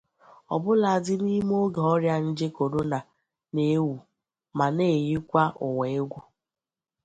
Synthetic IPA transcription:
ɔ̰˨bʊ˦la˨dɪ˦n˦i˦m˦o˦ɡe˨ɔ˦ɾja˦n̩˦d͡ʒe˦ko˨ɾo˦na˨ | ne˦wu˨ | ma˨ne˦˨ji˦kʷa˦ʔʊ˨we˨ɪ˦ɡʷo˦

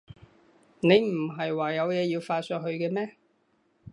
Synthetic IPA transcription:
ne˨˧jm̩˨˩ɦɐ˨jwaː˨jɐ˨˧wjɛː˨˧jiː˧wfaː˧t̚sœː˧t̚ɦɵ˧ɥkɛː˧mɛː˥

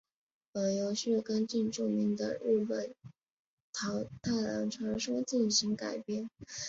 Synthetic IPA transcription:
ə˧˩jo˧˥ʊʂ̩˥˩kə˥nt͡ɕi˥˧nʈ͡ʂu˥˩mi˧˥ŋd̪ə̰˧ɻu˥˩pə˨˩n | t̪ʰɑ˧˥t̪ʰa˥˩lɑ̰˧˥ŋʈ͡ʂʰwɑ˧˥ʂwɔ˥t͡ɕi˥˩nɕi˧˥ŋka˨˩ɪpjɛ˥˩n

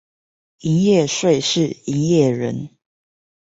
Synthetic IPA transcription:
i˧˦njɛ˥˨ʂwe˥˨ɪʂɻ̩˥˨i˧˦njɛ˥˨ɻə˨˦n

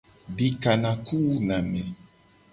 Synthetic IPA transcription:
bi˦ka˨nã˨ku˦nã˨mɛ̃˨

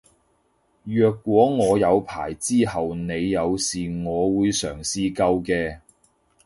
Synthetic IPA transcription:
jœː˨˧kːʷɔː˨˥ŋɔː˨˧jɐ˨˧wpʰa̰ː˨˩jt͡siː˥hɐ˨wne˨˧jːɐ˨˧wsiː˨ŋɔː˨˧wuː˨˧jsœː˨˩ŋsiː˨˧kɐ˧wkɛː˧

